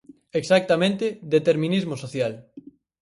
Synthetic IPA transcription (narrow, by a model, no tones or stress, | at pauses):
eksak̚t̪amẽnt̪ed̪et̪eɾmĩnizmosoθjal